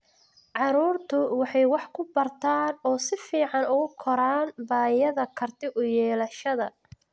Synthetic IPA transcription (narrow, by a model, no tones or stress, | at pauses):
ʕɑɾuːrt̪ʰʊwɑħɑjwɑħkʰʊbɐrt̪ʰaːnɔːsɪfiːʕɑnʊɣʊkʰɔɾaːnbaːjɐðɐkʰɐrt̪ʰɪʔʊjɛːlɐʃɐðɐ